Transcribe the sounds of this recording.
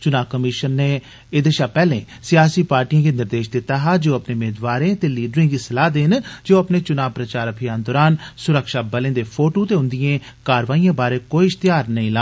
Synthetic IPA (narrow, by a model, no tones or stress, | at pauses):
t͡ʃʊnaːʋkəmɪʃənːeː | eːd̪eːʃaːpɛːlḛ̃ː | sɪjaːsiːpaːɾʈijãːɡeːnd̪əɾd̪eːʃd̪ɪt̪ːaːɦaːd͡ʒeoːəpnẽːmeːd̪ʋaːɾẽːt̪eːliːɖɾɪ̃ːɡiːsɪlaːd̪eːnd͡ʒeoːəpneːt͡ʃʊnaːbpɾət͡ʃaːɾəbʰʱijaːnd̪ɔːɾaːnsʊɾəkʃaːbəlẽːd̪eːpʰoːʈõːt̪eːɦʊ̃nd̪ɪjẽː | kaːɾʋaːijãːbaːɾeːkoːiɪʃst̪ɪjaːɾnəĩːlaː